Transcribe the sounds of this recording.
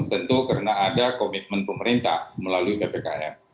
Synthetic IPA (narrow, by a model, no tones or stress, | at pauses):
t̪ənt̪ukəɾənaːdakomit̪̚mənpəməɾint̪a̰hməlaluipepeka̰ɛ̰r